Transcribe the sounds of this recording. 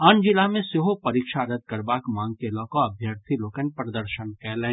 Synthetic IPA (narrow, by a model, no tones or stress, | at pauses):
ənd͡ʒɪlamẽseɦopɐɾiːkʃaɾɐd̪̚kɐɾbaːkmãːŋɡ̚kelɔːkõɐbʱjəɾt̪ʰiloːkənpɾɐd̪əɾʃənkɛːlẽː